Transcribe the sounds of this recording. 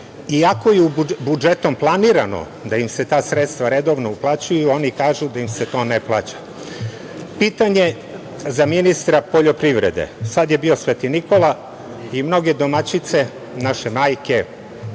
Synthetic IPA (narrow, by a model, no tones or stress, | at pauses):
iako̞jeubud͡ʒet̪o̞mplˠaniɾano̰ | d̪aimse̞t̪aːsɾet̪st̪ʋaɾe̞d̪o̞ʋnouplˠat͡ɕujuo̞nikaːʒud̪aimset̪o̞ːneplˠaːt͡ɕḁ | piːt̪aɲe̞ | zaminist̪ɾapo̞ʎo̞pɾiʋɾed̪ḛsad̪je̞bio̞sʋet̪iniko̞la | imno̞ɡe̞d̪o̞mat͡ɕit̪se̞ | naʃe̞maːjke̞